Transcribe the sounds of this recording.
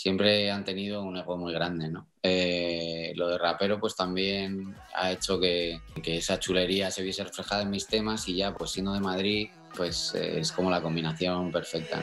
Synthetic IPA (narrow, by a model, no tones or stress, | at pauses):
sje̞mpɾe̞ant̪e̞nið̞o̞uneɣomujɣ̞ɾand̪e̞no̞ | e | lo̞ð̞e̞rape̞ɾo̞pwe̞st̪ambje̞n | a̰e̞t͡ʃo̞ke̞ke̞esat͡ʃule̞ɾiase̞βje̞se̞re̞fle̞xaðae̞nmist̪e̞masiʝapwe̞sːje̞nd̪o̞ð̞emaðɾi | pwe̞sḛesko̞mo̞lako̞mbinaθjo̞mpe̞ɾfe̞k̚t̪a̰